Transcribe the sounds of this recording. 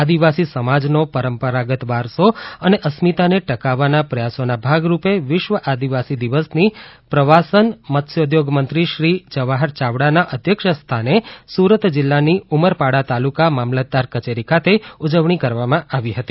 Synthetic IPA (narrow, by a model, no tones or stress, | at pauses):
ad̪iʋasisəmad͡ʒnopəɾəmpəɾaɡət̪ʋaɾsoəneʔəsmit̪aneʈəkaʋːanapɾəjasonabʱaɡɾupeʋɪʃʋəʔad̪iʋasid̪iʋəsnipɾəʋasənmət̪ʃjod̪joɡmənt̪ɾiʃɾid͡ʒəʋaɦəɾt͡ʃaʋɽanaʔəd̪ʱjəkʃəst̪ʰanesuɾət̪d͡ʒɪlːaniuməɾpaɽat̪alukamamlət̪̚d̪ːaɾkət͡ʃeɾikʰat̪ʰeud͡ʒəʋɳ̃ikəɾʋamãaʋiɦət̪i